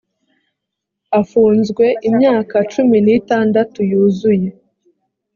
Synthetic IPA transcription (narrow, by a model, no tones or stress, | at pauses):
afuːnzɡwe̞ʔimɲaːkat͡ʃuminitaːndatujuːzuje̞